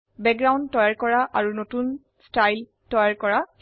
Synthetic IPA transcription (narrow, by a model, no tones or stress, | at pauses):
bɛk̚ɡɹaw̃ndtːɔjaɹkɔɹaʔaɹunotun | stajl | tɔjaɹkɔɹa